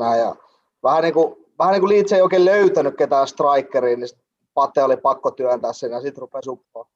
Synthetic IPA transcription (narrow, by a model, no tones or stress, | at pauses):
æːjɑ̰ | ʋæhæniːku | ʋæhæniŋkuliːt̪seioikeːløyt̪ænykket̪æːst̪rɑikːeriːnisit̪ | pɑt̪ːˑeolipɑkːot̪yænt̪æːssenjɑsit̪rupesupːoː